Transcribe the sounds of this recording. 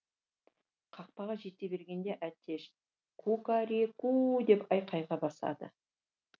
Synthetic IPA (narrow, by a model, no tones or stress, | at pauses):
qʰɑq̚pɑʁɑʒe̞t̪ːe̞be̞ɾɡʲe̞nd̪e̞ʔæt̪ʰːe̞ʃ | kʰukaɾekud̪e̞pɑjqʰɑjʁɑbɑsɑ̰d̪ə̰